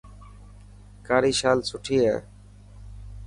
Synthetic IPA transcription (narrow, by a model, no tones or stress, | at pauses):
kaːɾiːʃaːlsʰʊʈʰiːɛ̰ː